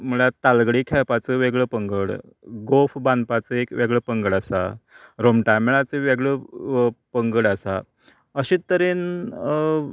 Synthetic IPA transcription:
məɭat̪alɡɽiːkʰɛpat͡səʋeɡɭəːpəŋɡəɽ | ɡofbanpat͡səekʋeɡɭəːpəŋɡəɽasa̰ɾomʈameɭat͡seʋeɡɭə | pəŋɡəɽəsa | əɕiəɾeːn

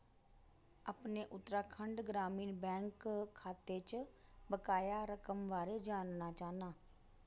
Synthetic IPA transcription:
əpneːʔʊt̪ːɾaːkʰəɳɖɡɾaːmiːnbɛ̃ːŋkkʰːaːt̪eːt͡ʃbəkaːjaːɾəkəmʋaːɾeːd͡ʒaːnnaːt͡ʃaːnaː

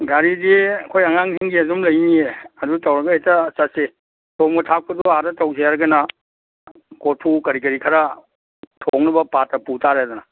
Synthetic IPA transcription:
ɡaɾidiɐkʰojɐŋaŋɦeŋɡiɐzumlɐjnieɐduɡtawɾɐɡɐetɐsɐt̚se | tʰomɡɐtʰak̚pʰɐduaɾɐtawzeaɾɐɡɐnɐ | kotʰukɐɾikɐɾikʰɐɾa | tʰoŋnɐbɐpatːɐputaɾeadɔnɐ

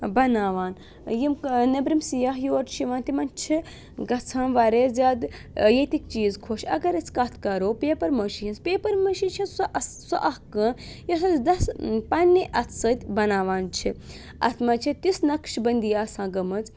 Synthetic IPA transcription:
bɐnaːʋaːn | jimnɐbɾimsijaɦjoːɾʈ̪ʃiʋaːnt̪imɐnt͡ʃʰi | ɡɐt͡sʰãːnʋɐɾeːzʲaːd̪ | jet̪ik̚t͡ʃiːzkʰoʃɐ̰ɡɐɾɐt͡sʰkɐt̪ʰkɐɾoːpeːpɐɾmɐʃiɦinspeːpɐɾmɐʃit͡ʃʰĩnt͡ss | sɐʔɐhkɨːnjɐsɐt͡sd̪ɐspɐnʲːiʔɐt̪ʰsɐt̪ʲbɐnaːʋaːnt͡ʃʰi | ɐ̰t̪ʰmɐt͡ʃʰit̪isnɐkʃbɐnd̪ijaːsãːɡɐmɐt͡s

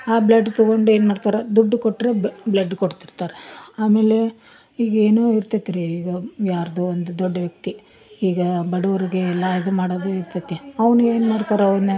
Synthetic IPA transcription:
aːblɐɖːt̪ɐɡo̞ɳɖueːnmaːɽt̪aːɾed̪uɖːukoʈːɾe̞blɐɖːkoɽt̪iɾt̪aːɾeaːme̞ːle̞ | iːɡɐeːnoːiɾt̪ɐt̪ːiɾeiːɡɐjaːɾɐd̪oːond̪ud̪ɔɖːɐʋjɐk̚t̪i | iːɡɐbɐɽuʋɐɾiɡelːajid̪umaːɽoːd̪eiɾt̪ɐt̪ːiɐʋɐnue̞ːnmaːɽt̪aːɾeɐʋɾne

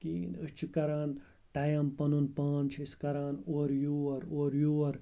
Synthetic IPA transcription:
kiːnɨt͡ʃʰikɐɾaːn | ʈɐjɐmpɐnunpaːnt͡ʃʰiskɐɾaːnoːɾjuɐɾoːɾjuːɐɾ

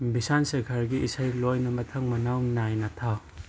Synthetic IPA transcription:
bisansekʰaɾɡiʔisajlojnɐmɐtʰɐŋmɐnawnajnɐtʰa

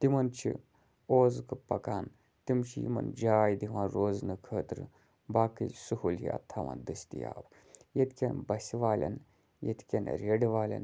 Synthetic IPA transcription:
t̪imɐnt͡ʃʰḭ | oːzkɨpɐkaːn | t̪imt͡ʃʰijḭmɐ̰nd͡ʒaːjd̪iʋãːnɾoːznɨkʰəːt̪ɾɨ | baːkisuhulɦḭɐ̰t̪ʰːaʋã̰nd̪ɨst̪ija̰ːb | jet̪kʲɐnbɐsʲiʋaːlʲɐ̰n | jḛt̪ʰkʲɐnɾʲeɖʋaːlʲɐ̰n

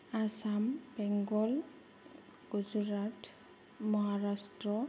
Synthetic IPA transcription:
asambɛŋɡɔl | ɡ̥uzuɹatʰ | mɔɦaɹasʈɹɔ

